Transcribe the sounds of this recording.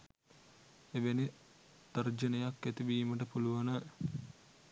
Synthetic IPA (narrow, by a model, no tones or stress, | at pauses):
eʋeni | d̪̥ɐrd͡ʒənəjakːet̪iʋiːməʈəpuluʋanə